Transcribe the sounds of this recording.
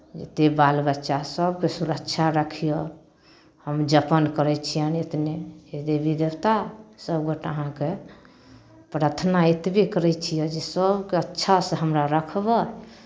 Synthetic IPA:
d͡ʒḛt̪ebalbətːʃasəbkesuɾəkt͡ʃʰaɾəkʰijə | həmd͡ʒəpənkəɾɛt͡ʃʰijənet̪ned͡ʒed̪ebʱid̪ewt̪asəbɡoʈəɦãke | pɾət̪ʰnaet̪bʱikəɾɛt͡ʃʰijəd͡ʒesəbkeətːʃʰasə̃ɦəmɾaɾəkʰbə

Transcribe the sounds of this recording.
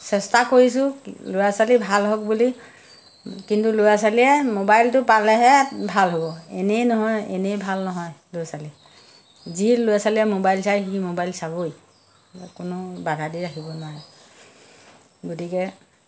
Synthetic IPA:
sɛstakoɹisʊlojasalibʱalɦɔk̚buli | kintulʊjasaliɛmobajltʊpalɛɦɛbʱalɦobɔɛnejnɔɦɔjɛ̰nejbʱalnɔɦɔjlojasali | zilʊjasaliɛmobajlsajximobajlsaboj | kʊnʊbadʱadiɹaɦibɔnʊwaɹɛ | ɡotikɛ

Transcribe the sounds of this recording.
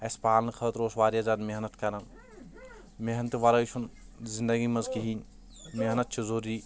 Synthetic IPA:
ɐspaːlnkʰɐt̪ɾoːsʋaːɾjɐzɐnmeɦnɐt̪kɐɾɐn | meɦnt̪iʋɐɾɐjt͡ʃʰun | zind̪ɐɡimɐzkiɦiːn | meɦnɐt̪̚t͡ʃʰizoːɾiː

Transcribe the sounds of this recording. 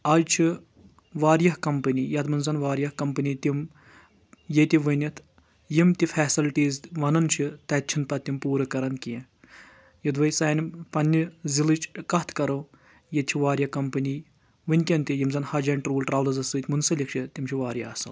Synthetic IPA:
ɐːd͡ʒt͡ʃʰi | ʋaːɾjɐɦkɐmpɐniːjɐt̪mɨnzɐnʋaːɾʲjɐhkɐmpɨniːt̪im | jet̪iʋɨnʲit̪ʰ | jimt̪ifʰɛːsilʈiːzʋɐnɐnt͡ʃʰit̪ɐt̪̚t͡ʃʰinpɐt̪ːimpuːɾɨkɐɾɐnkiẽ | jɐd̪ʋɐjsaːnʲmpɐnʲːizilɨt͡ʃʰkɐt̪ʰkɐɾo | jet̪̚t͡ʃʰiʋaːɾjɐkɐmpɨni | ʋɨnʲkʲɐnt̪ʲijimzɐnhɐd͡ʒɐːnʲʈɾuːlʈɾaːʋlɐzɐsɨt̪ʰʲmunsɐlʲik̚t͡ʃʰit̪ʲimt͡ʃʰiʋaːɾjɐɐsɐ̰l

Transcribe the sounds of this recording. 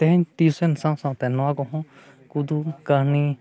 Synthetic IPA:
t̪ɛɦɛɲt̪iusɛnsãwsãw̃t̪ɛnɔwakɔɦɔ̃ | kud̪ukahni

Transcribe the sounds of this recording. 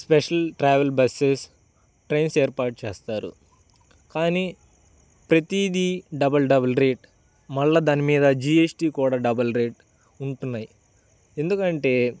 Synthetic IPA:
spɛʂɐlʈɾaːʋɐlbɐses | ʈɾe̞nseːɾpaːʈut͡ʃɛːst̪aːɾṵ | kaːniː | pɾɐt̪id̪iɖɐbɐlɖɐbɐlɾe̞ːʈ | mɐɭːɐd̪aːnimiːd̪ɐd͡ʒiːesʈiːkuːɽaːɖɐbɐlɾe̞ːʈ̚ | uɳʈunːaːji | e̞nd̪ukɐɳʈe̞ː

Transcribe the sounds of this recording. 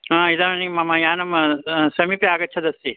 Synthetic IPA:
ɦãːid̪aɐnimɐmãjaːnɐmsɐmipeaːɡɐtːt͡ʃʰɐd̪ɐsi

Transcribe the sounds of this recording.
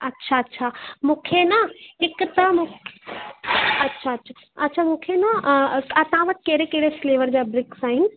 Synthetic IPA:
ɐtːʃʰaɐtːʃʰamʊkʰenaɪkt̪ɐmʊk | ɐtːʃʰaɐtːʃʰa | ɐtːʃʰamʊkʰenaɐt̪ãʋɐt̪̚keːɾekeːɾefleːʋəɾd͡ʑabɾɪksaːɦɪn

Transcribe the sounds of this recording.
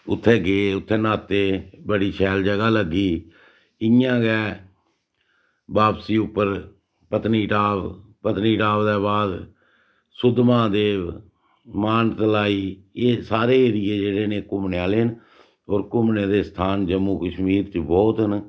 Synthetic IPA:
ʊ̰t̪ʰːeːɡeːʊt̪ʰːeːnaːt̪ːeːbəɽiːʃʰɛːld͡ʒəɡaːləɡːiː | ɪjãːɡɛː | baːpsiːʊpːəɾ | pət̪niːʈaːʋpət̪niːʈaːbd̪ɛːβaːd̪ | sʊd̪mãːd̪eː | maːnt̪əlaːiːeːsaːɾeːɾɪjeːd͡ʒeːɽeːnẽːkʊmnaːleːn | oːɾkʊmnẽːd̪eːst̪ʰaːnd͡ʒəmːuːkəʃmiːɾt̪ibɔːt̪ɦən

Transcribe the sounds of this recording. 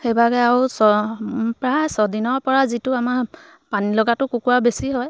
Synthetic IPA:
xebaɡɛaɹusɔpɹajsɔdinɔɹpɔɹazitʊamaɹ | panilɔɡatʊkukuwabesiɦɔj

